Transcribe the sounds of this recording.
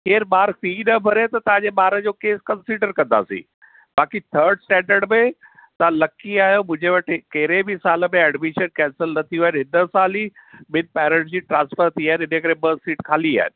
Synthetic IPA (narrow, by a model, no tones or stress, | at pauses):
kʰeːɾmaːɾfiːnɐbʱɐɾet̪ɐt̪ɐʋ̤ãɲd͡ʑeɓaːɾəd͡ʑoːkeːskɐ̃nsiɖəɾkɐ̃nd̪a̰ːsḭ̃ː | baːkit̪ʰəɾɖsʈɛ̃ːɳɖəɾɖmẽ | t̪ɐãlɐkiaːɦijomʊ̃ɦɪ̃ɲd͡ʑeʋɐʈkɐɦɪɾebʱɪsaːlə̆mẽɛɖmɪʃənkɛ̃ːnsəlnɐt̪ʰiaːɪnɦɪnəsaːlimɪnpɛːɾə̃ɳʈd͡ʑiːʈɾãːnsfəɾt̪ʰiaːɦɪnɪnəkɐɾeɓɐsiːʈkʰaːlia̰ːɦɪnɪ̆